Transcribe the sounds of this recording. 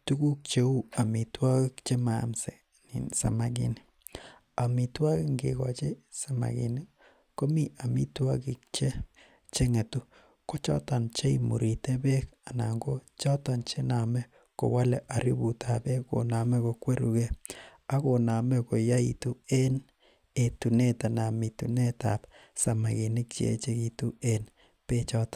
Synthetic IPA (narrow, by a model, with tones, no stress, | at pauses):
tu˦ɡu˦k̚t͡ʃe˦u˦a˨mi˨twa˦ki˦kt͡ʃe˦ma˨msɛ̰˨ | nḭ˨sa̰˨ma˨ɡḭ˨˦ni˦ | a˨mi˨twa˦ki˦ŋɡḛ˨ka̰˨t͡ʃe˦sa˨ma̰˨ɡḭ˨ni˦ | ko˦mi˦ʔa˨mi˦twa˦ki˨k̚t͡ʃe˦ | t͡ʃe˦ŋe˨tu˦ | ko˦t͡ʃa̰˦ta˨nt͡ʃe˦i˨mṵ˨ɾi˨te˦bɛ˦ka˨na˨ŋɡo˦ | t͡ʃɔ˦ta˨nt͡ʃe˦na˨mɛ˦ | ko̰˨wa˦lɛ˨ʔa˨ɾḭ˦bu˨tʰa˨bɛ˦ko̰˨na˨mɛ˦ko˨kwe˦ɾu˨ke˦ | a˦ko˨na˨mɛ˦ko˨ja˦itu˦e˦n | e˨tu˨ne˦ta˨na˨mi˨tu˨ne˦ta̰˨p | sa˨ma˨ɡi˨nɪ˦k̚t͡ʃḛ˨˦t͡ʃe˦ki˨tu˦e˦n | pe˦t͡ʃɔ˦tḁ˨